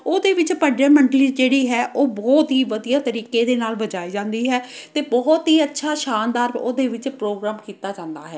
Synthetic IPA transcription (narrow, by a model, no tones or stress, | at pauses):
oːd̪eːʋɪt͡ʃpəɖeːməɳɖliːd͡ʒeːɽiːɦɛːʔoːbɔːt̪ɦiːʋəd̪ijaːt̪əɾiːkeːd̪eːnaːlbəd͡ʒaːiːd͡ʒãːnd̪iːɦɛːt̪eːbɔːt̪ɦiːətːʃʰaːʃaːnd̪aːɾoːd̪eːʋɪt͡ʃpɾoːɡɾaːmkiːt̪aːd͡ʒãːnd̪a̰ːɦɛː